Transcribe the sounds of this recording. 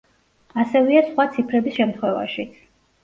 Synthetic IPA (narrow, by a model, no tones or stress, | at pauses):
asɛvɛasχwat̪sʰipʰɾɛbisʃɛmt̪ʰχwɛva̰ʃi